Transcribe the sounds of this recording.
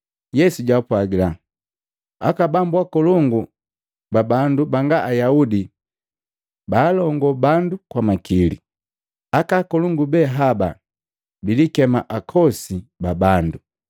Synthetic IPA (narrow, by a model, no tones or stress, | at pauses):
jɛsuɟwapwaɡila | akabambwakɔluŋɡu | babandubaŋɡaʔajaudi | baːlɔŋɡɔbandukwamakilḭ | akakɔluŋɡubɛɦaba | bilikɛmaʔakʰɔsibabandu